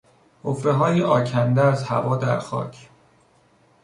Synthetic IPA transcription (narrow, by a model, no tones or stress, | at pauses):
hʰofɾeɦɒːjeʔɒːcʰænd̪eæzhæ̰vɒːd̪æɾxɒ̰ːcʰ